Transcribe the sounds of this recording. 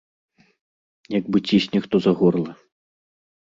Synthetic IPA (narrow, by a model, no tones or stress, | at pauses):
jaɡbɨt͡sʲisʲnʲɛxt̪ɔzɐɣɔrlˠɐ